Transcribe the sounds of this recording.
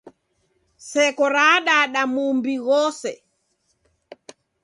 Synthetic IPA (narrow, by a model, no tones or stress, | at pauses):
sɛkɔɾaːɗaːɗamumbiɣɔsɛ